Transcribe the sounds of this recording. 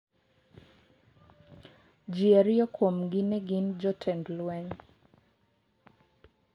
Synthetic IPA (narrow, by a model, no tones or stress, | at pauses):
d͡ʒiaɾjɔkʰwomɡɪnɛɡɪnd͡ʒɔtʰɛndlwɛɲ